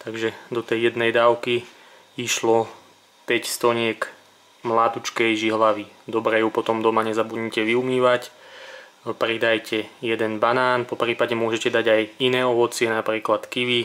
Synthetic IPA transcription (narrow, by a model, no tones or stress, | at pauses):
t̪aɡʒɛd̪ɔt̪ɛjjɛd̪nɛjd̪aːʊki | iʃlɔ | pɛcst̪ɔɲɪɛk | mlaːt̪ut͡ʃkɛjʒiɦlaʋid̪ɔbɾɛːjupɔt̪ɔmd̪ɔmaɲɛzabud̪ɲcɛʋiumiːʋac | pɾid̪ajcʰɛjɛd̪ɛnbanaːnpɔpɾiːpadɲɛmʊɔʒɛcɛd̪aɟajinɛːɔʋɔt͡sɪɛnapɾiːklat̪kiʋi